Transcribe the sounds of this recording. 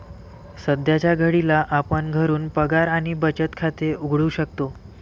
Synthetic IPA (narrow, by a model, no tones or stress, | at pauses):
səd̪jat͡ɕjaɡʱəɽilaʔapəɳɡʱəɾuːnpəɡaɾaɽ̃ibət͡ɕət̪kʰat̪euɡʱɭuɕək̚t̪o